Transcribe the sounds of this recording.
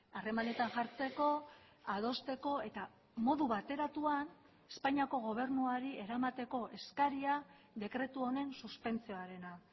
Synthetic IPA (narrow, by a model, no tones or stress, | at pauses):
are̞mane̞t̪aŋʝaɾt͡se̞ko̞ | aðo̞st̪e̞ko̞e̞t̪a | mo̞ðuβat̪e̞ɾat̪uan | e̞spaɲiako̞ɣ̞o̞β̞e̞ɾnuaɾie̞ɾamat̪e̞ko̞ʔe̞skaɾia | ðe̞kɾe̞t̪uo̞ne̞nsuspe̞nt͡sio̞aɾe̞na